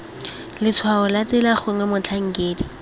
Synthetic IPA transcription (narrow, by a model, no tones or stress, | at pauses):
lɪt͡sʰwaʊlat͡sɪlaχʊŋɛmʊt͡ɬʰaŋ̩keːdi